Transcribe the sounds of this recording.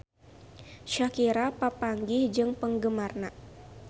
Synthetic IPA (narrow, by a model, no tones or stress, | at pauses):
ʃakiɾapapaŋɡihd͡ʒɨŋpəŋɡəmarna